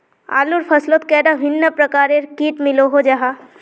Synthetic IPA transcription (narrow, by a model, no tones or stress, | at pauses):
a̰ːluɾpʰɐsloːt̪̚kɛːɖaʋʱɪnːəpɾɐkaːɾeɾkiːʈmɪloɦod͡ʒaɦaː